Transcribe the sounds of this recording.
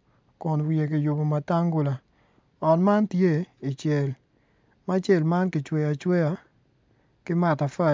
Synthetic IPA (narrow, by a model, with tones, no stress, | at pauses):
kʊ˨nwi˨e˨kɪ˨jo˨bo˨ma˨ta˦ŋɡu˦˨la˨ | ɔ˨nma˦ntje˦i˨t͡ʃjɛ˨l | ma˦t͡ʃe˦˨lma˦nkɪ˨t͡ʃwɛ˨ja˨t͡ʃwe˦ja˨ | kɪ˦ma˨ta˨fɛ˦˨